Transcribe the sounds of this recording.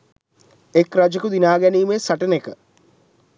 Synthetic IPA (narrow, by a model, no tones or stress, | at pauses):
ekɾad͡ʒɐkud̪inaːɡɛniːmeːsɐʈɐnekə